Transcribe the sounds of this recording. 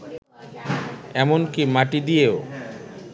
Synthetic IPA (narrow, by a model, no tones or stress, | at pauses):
ɛmonkimaʈid̪ijeo